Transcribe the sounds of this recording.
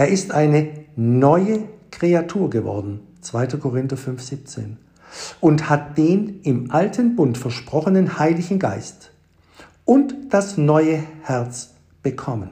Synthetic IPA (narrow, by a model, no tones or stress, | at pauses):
ʔeːɐʔɪstʔaɪnənɔʏəkʁ̥eatʰuːɐɡəvɔ̰ɐdn̩ | t͡sv̥aɪtɐkʰoʁɪntɐfʏnfz̥iːp̚t͡sḛːn | ʔʊnthat̚d̥eːnɪmʔaltʰənbʊntfɛɐʃpʁ̥ɔχənənhaɪlɪçn̩ɡa̰ɪst | ʔʊntd̥asnɔʏəhɛɐt͡s | b̥əkʰɔmən